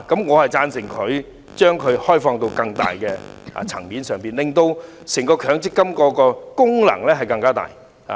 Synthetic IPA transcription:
kɐ˨˥mŋɔː˨˧hɐ˨jt͡saː˧nsɪ˨˩ŋkʰɵ˨˧ɥ | t͡ʃœː˥ŋkʰɵ˨˧ɥhɔː˥jfɔː˧ŋt̪o˧wkɐ˧ŋt̪a̰ː˨jkɛː˧a̰ː˨t͡sʰɐ̰˨˩ŋmiː˨˥nsœː˨ŋpiː˨nlɪ˨ŋt̪o˧w | sɛː˨˩ŋkɔː˧kʰœː˨˥ŋt͡sɪ˥kːɐ˥mkɔː˨˥kɔː˧kʊ˥ŋlɐ̰˨˩ŋlɛː˥ɦɐ˨jkɐ˧ŋkaː˥t̪a̰ː˨˩j | ha̰˨

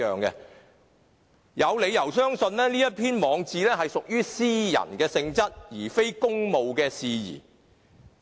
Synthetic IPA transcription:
œː˨ŋkɛ̰˧ | jɐ˨˧wle˨˧jɐ˨˩wsœː˥ŋsɵ˧nlɛː˥niː˥jɐ˥t̚pʰiː˥nmɔː˨˧ŋt͡siː˨lɛː˥ɦɐ˨jsʊ˨k̚jyː˥siː˥jɐ̰˨˩nkɛː˧sɪ˧ŋt͡sɐ˥t̚jiː˨˩fe˥jkʊ˥ŋmo˨wkɛː˧siː˨˧jḭː˨˩

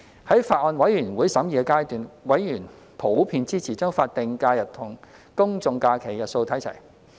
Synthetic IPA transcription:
hɐ˨˥jfaː˧t̚ʔɔː˧nwɐ˨˥jyː˨˩nwuː˨˥jsɐ˨˥mjiː˨kɛ˧kaː˥jt̪yː˨nwɐ˨˥jːyː˨˩n | pʰo˨˥wpʰiː˧nt͡siː˥t͡sʰiː˨˩t͡sœː˥ŋfaː˧t̚t̪ɪ˨ŋkaː˧jɐ˨˩t̚t̪ʰʊ˨˩ŋ | kʊ˥ŋt͡sʊ˧ŋkaː˧kʰe˨˩jɐ˨t̚so˧wt̪ʰɐ˨˥jt͡sʰɐ̰˨˩j

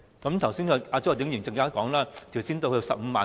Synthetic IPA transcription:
kɐ˨˦mt̪ʰɐ˨˩wsiː˥nkɔ˨˧aː˧t͡so˥wt̪ɪ˨˥ŋjyː˨˩nt͡sɐ˧ŋkaː˥kɔː˨˥ŋlaː˥t͡sɐ˨wsiː˥nt̪o˧kɵ˧sɐ˨p̚m̩˧maː˨

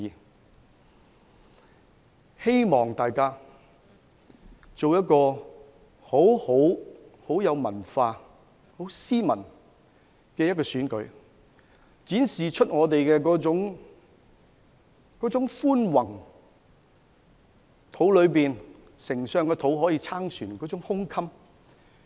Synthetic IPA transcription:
he˥jmɔː˨˩ŋt̪aː˨jkaː˥ | t͡so˨wjɐ˥t̚kɔː˧ | ho˨˥who˨˥who˨˥wjɐ˨˧wmɐ˨˩nfaː˧ | ho˨˥wsiː˥mɐ˨˩n | kɛː˧jɐ˥tkɔː˧syː˨˥nkɵ˨˥ɥ | t͡siː˨˥nsiː˨t͡ʃʰɵ˥t̚ŋɔː˨˧t̪e˨jkɛː˧kɔː˨˥t͡ʃʊ˨˥ŋ | kɔː˨˥t͡sʊ˨˥ŋfuː˥nwɐ˨˩ŋ | t̪ʰo˨˥wlɵ˨˧ɥpiː˨n | sɪ˨˩ŋsœː˨˧ŋkɛː˧t̪ʰo˨˥wɦɔː˨˥jiː˧t͡sʰaː˥ŋsyː˨˩nkɔː˨˥t͡sʊ˨˥ŋhʊ˥ŋkʰɐ˥m

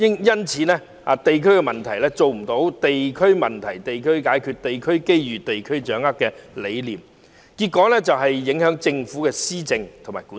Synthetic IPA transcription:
jɪ˥ŋjɐ˥nt͡sʰiː˨˥nɛː˥ | a̰ː˨˧t̪e˨jkʰɵ˥kɛ˧mɐ˨nt̪ʰɐ˨˩jlɛː˥t͡so˨wm̩˨˩t̪o˨˥wt̪e˨jkʰɵ˥ɥmɐ˨nt̪ʰɐ˨˩jt̪e˨jkʰɵ˥ɥkaː˨˥jkʰyː˧t̚t̪e˨jkʰɵ˥ɥke˥jjyː˨t̪e˨jkʰɵ˥ɥt͡ʃœː˨˥ŋɐ˥tkɛː˧le˨˧jliː˨m | ki˧t̚kːɔː˨˥lɛː˥t͡sɐ˨wɦɐ˨jːɪ˨˥ŋhœː˨˥ŋt͡sɪ˧ŋfuː˨˥kɛː˧siː˥t͡sɪ˧ŋt̪ʰo˨˩ŋmaː˨˩jku˨˦˥

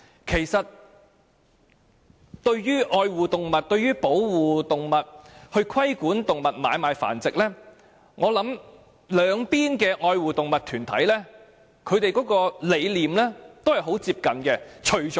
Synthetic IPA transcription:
kʰe˨˩jsɐ˨t̚ | t̪ɵ˧ɥjyː˥ʔɔː˧jwuː˨t̪ʊ˨ŋmɐ˨t̚t̪ɵ˧ɥyː˥po˨˥wwuː˨t̪ʊ˨ŋmɐ˨t̚hɵ˧ɥkʰɐ˥jkuː˨˥nt̪ʊ˨ŋmɐ˨t̚maː˨˧jmaː˨˧jfa̰ː˨˩nt͡sɪ˨k̚lɛː˥ | ŋʔɔː˨˧lɐ˨˥m | lœː˨˧ŋpiː˥nkɛː˧ʔɔː˧jwuː˨t̪ʊ˨ŋmɐ˨t̪ʰyː˨˩nt̪ʰɐ̰˨˥jlɛː˥ | kʰɵ˨˧ɥt̪e˨jkɔː˨˥kɔː˧le˨˧jliː˨mlɛː˥t̪o˥whɐ˨˩jɦo˨˥wt͡siː˧p̚kɐ˨nkɛ˧t͡ʃʰɵ˨˩ɥt͡ʃ

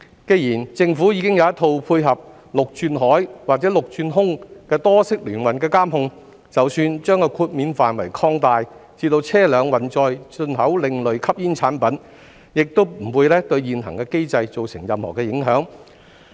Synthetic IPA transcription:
ke˧jiː˨˩nt͡sɪ˧ŋfuː˨˥ji˨˧kɪ˥ŋjɐ˨˧wjɐ˥t̪ʰːo˧wpʰuː˧jɦɐ˨p̚ | lʊ˨k̚t͡ʃyː˧nɦɔː˨˥jwaː˨k̚t͡sɛː˨˥lʊ˨k̚t͡ʃyː˧nɦʊ˥ŋkɛː˧t̪ɔː˥sɪ˥k̚lyː˨˩nwɐ˨nkɛː˧kaː˥mhʊ˧ŋ | t͡sɐ˨wsyː˧nt͡ʃœː˥ŋkɔ˧kʰuː˧t̚miː˨˥nfaː˨nwɐ˨˩jkʰɔː˧ŋt̪aː˨˧jt͡siː˧t̪o˧wt͡sʰɛː˥lœː˨˧ŋwɐ˨nt͡sɔː˨˧jt͡sɵ˧nɦɐ˨˥wlɪ˨˧ŋlɵ˨ɥkʰɐ˥p̚jiː˥nt͡sʰaː˨˥npɐ˨˥n | jɪ˨k̚t̪o˥wm̩˨˩wuː˨˧jlɛː˥t̪ɵ˧ɥjiː˨nɦɐ̰˨˩ŋkɛː˧ke˥jt͡sɐ˧jt͡so˨wsɪ˨˩ŋjɐ˨mhɔː˨˩kɛː˧jɪ˨˥ŋɦœː˨˥ŋ

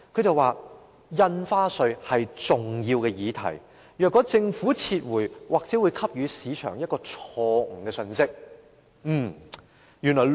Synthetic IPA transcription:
kʰɵ˨˧ɥt͡sɐ˨waː˨ | jɐ˧nfaː˥sɵ˧ɥhɐ˨jt͡sʊ˨ŋjiː˧wkɛː˧jiː˨˧t̪ʰɐ̰˨˩j | jœː˨kːɔː˨˥t͡sɪ˧ŋfuː˨˥t͡sʰiː˧t̚wuː˨˩jwaː˨k̚t͡sɛ˨˥wuː˨˧jkʰɐ˥p̚jyː˨˧siː˨˧t͡ʃʰœ̰ː˨˩ŋjɐ˥t̚kɔː˧t͡ʃʰɔː˧ŋ̩ː˨˩kɛː˧sɵ˧nsɪ˥k̚ | m̩ː˥˩ | jyː˨˩nlɔː˨˩

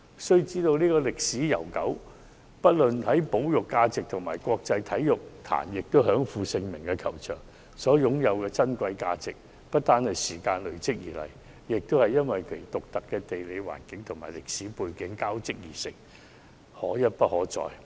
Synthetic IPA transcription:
sɵ˥ɥt͡siː˥t̪o˧wniː˥kɔː˧lɪ˨k̚siː˨˥jɐ˨˩wkɐ˨˥w | pɐ˥t̚lɵ˨nhɐ˨˥jpo˨˥wjʊ˨kːaː˧t͡sɪ˨k̚t̪ʰʊ˨˩ŋmaː˨˩jkwɔː˧k̚t͡sɐ˧jt̪ʰɐ˨˥jjʊ˨k̚t̪ʰa̰ː˨˩njɪ˨k̚t̪o˥ɦœː˨˥ŋfuː˨˧sɪ˧ŋmɪ˨˩ŋkɛ˧kʰɐ˨˩wt͡ʃʰœ̰ː˨˩ŋ | sɔː˨˥jʊ˨˥ŋjɐ˨˧wkɛː˧t͡sɐ˥nkʷɐ˧jkaː˧t͡sɪ˨k̚ | pɐ˥t̚t̪ːaː˥nhɐ˨jsiː˨˩kaː˧nlɵ˨˩ɥt͡sɪ˥k̚jiː˨˩lɐ̰˨˩j | jɪ˨k̚t̪o˥whɐ˨jːɐ˥nwɐ˨jkʰt̪ʊ˨k̚t̪ɐ˨kːɛː˧t̪e˨jle˨˧wa̰ː˨˩nkɪ˨˥ŋt̪ʰʊ˨˩ŋmaː˨˩lɪ˨k̚siː˨˥puː˧jkɪ˨˥ŋkaː˥wt͡sɪ˥k̚jiː˨˩sɪ˨k̚ | hɔ̰ː˨˥jɐ˥t̚pɐ˥t̚hɔː˨˥t͡sɔ̰ː˨˧j

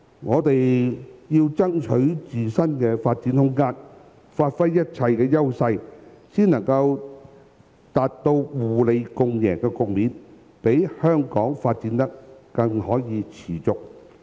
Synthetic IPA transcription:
ŋɔː˨˧t̪e˨jjiː˧wt͡sɐ˥ŋt͡ʃʰɵ˨˥ɥt͡siː˨sɐ˥nkɛː˧faː˧t̚t͡si˨˥nhʊ˥ŋkaː˥n | faː˧t̚fɐ˥jːɐ˥t̚t͡sʰɐ˧jkɛː˧jɐ˥wsɐ˧j | siː˥nɐ˨˩ŋkɐ˧w | t̪aː˨t̚t̪o˧wwuː˨˩le˨˧jkʊ˧ŋjɛ̰ː˨˩ŋkɛː˧kʊ˨k̚miː˨˧n | pe˨˥jhœː˥ŋkɔː˨˥ŋfaː˧t̚t͡siː˨˥nt̪ɐ˥k̚ːɐ˧ŋhɔː˨˥jiː˨˧t͡sʰiː˨˩t͡sʊ˨k̚

